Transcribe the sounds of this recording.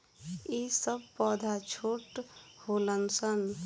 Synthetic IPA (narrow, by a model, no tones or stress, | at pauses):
isəbpɔd̪ʱat͡ʃʰoʈholənsən